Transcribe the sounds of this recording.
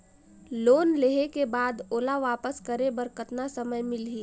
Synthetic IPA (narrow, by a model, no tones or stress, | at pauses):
loːnleɦekebaːd̪oːlaʋaːpəskəɾebɐɾkət̪nasɐməjmɪlɦiː